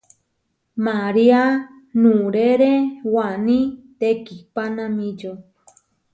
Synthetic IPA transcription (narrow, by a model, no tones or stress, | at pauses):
maɾia | nũɾeɾewanĩt̪ekipanãmĩd͡ʒo